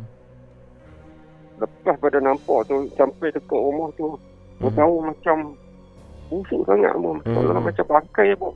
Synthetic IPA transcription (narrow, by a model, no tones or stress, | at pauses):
ləpahpadanampɔʔt̪usampajt̪ək̪ɔʔumɔht̪u | bəɡaumat͡ʃam | busuʔsaŋa̰ʔmomat͡ʃa̰mllamat͡ʃambaŋkajapɔʔ